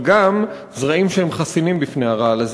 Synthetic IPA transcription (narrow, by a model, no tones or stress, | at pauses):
ɡam | zʁaimʃeemχasinimbifne̞haʁaalaz